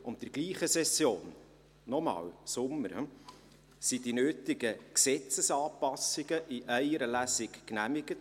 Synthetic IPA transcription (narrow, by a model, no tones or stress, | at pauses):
ʊntdəɾɡ̥liːχəsɛsjoːnː | ɔmɑ̰ːwsʊmːəɾ | sidinøːtɪɡəksɛt͡səsɑːpɑsɪɡ̥əʔɪʔæɪəɾəlæsɪkknæmɪɡ̥ət